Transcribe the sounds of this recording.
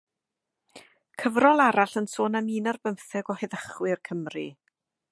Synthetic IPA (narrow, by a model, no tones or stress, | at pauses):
kʰəvrɔlˠaɾaɬənsoːnamiːnarbəmθɛɡɔhɛðəχwɪrkʰəmri